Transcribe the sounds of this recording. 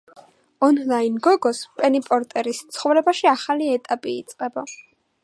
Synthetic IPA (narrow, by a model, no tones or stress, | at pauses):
ɔnlainɡɔɡɔspʼɛnipʼɔɾt̪ʼɛɾist̪sʰχɔvɾɛbaʃiaχaliɛt̪ʼapʼiːt̪sʼqʼɛba